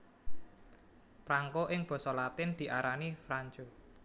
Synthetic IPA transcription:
pɾaŋkoʔɪŋb̥ɔ̤sɔlat̪ɪnd̪̥i̤ʔaɾanifɾaɲd͡ʒo

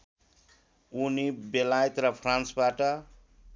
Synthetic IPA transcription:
unibelajt̪rʌpʰransbaʈʌ

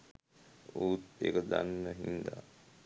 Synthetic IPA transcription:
uːt̪ḛkəd̪anːəɦind̪a̰ː

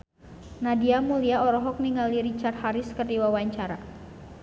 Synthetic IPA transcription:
nadiamuliaɔɾɔɦɔk̚niŋaliɾit͡ʃart̪̚haɾɪskərd̪iwawaɲt͡ʃaɾa

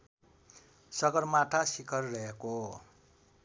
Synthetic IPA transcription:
sʌɡʌrmaʈʰasikʰʌrːʌeko

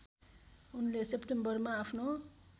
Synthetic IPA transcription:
unlesepʈembʌrmaːpʰno

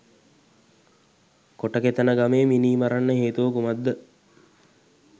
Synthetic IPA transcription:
koʈəket̪ənəɡameːminiːmaɾanːəɦeːt̪uʋəkumad̪ːə

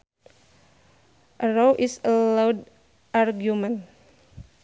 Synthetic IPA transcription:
ʔəɾowʔisəlawd | ʔarɡjumən

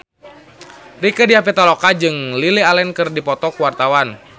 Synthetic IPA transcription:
rikədiapɛt̪alɔkad͡ʒɨŋlilialɛnkɨrdipɔt̪ɔkuwart̪awan

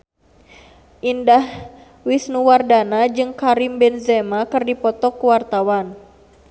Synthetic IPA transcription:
ʔindah | wisnuwardanad͡ʒɨŋkaɾimbɛnzɛmakɨrdipɔt̪ɔkuwart̪awan

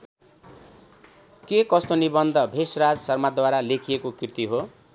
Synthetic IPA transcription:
kekʌst̪onibʌnd̪ʱʌbʱesrad͡zsʌrmad̪waɾalekʰijekokirt̪iɦo

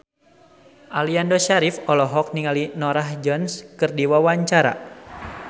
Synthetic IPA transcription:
ʔaliandoʃaɾifɔlɔɦɔk̚niŋalinɔɾaɦd͡ʒɔnskɨrdiwawaɲt͡ʃaɾa̰

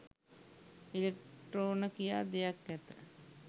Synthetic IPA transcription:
ilek̚ʈroːnəkijaːd̪ejak̚ɡæt̪ə

